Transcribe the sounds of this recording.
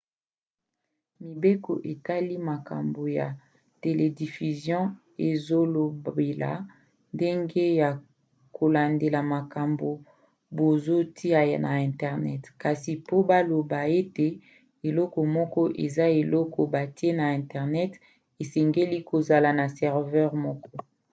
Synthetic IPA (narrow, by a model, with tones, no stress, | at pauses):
mi˨be˦kɔ˨ʔe˨ta˦li˦ma˨ka̰˨mbo˨ja˨ | te˨le˨di˨fy˨zjɔ̃˦ | e˨zo˦lo˨bbe˨la̰˨ | nde˦ŋɡe˦ja˨ | ko˨la˨nde˨la˨ma˨ka˨mbo˨ | bo˨zo˦tʰi˦a˨na˨ɛ̃˨tɛ˨ʁnɛ˦tka˨si˨po˦ba˦lo˨ba˨e˦te˨ | e˨lɔ˦kɔ˨mɔ˦kɔ˦ʔe˨za˦e˨lɔ˦kɔ˨ba˨ti˦e˦na˨ɛ̃˨ntɛ˨ʁnɛ˦t | e˨sɛ˨ŋɡe˦li˦ko˨za˨la˨na˨sɛ˨ʁvɛ˦ʁmɔ˦kɔ˦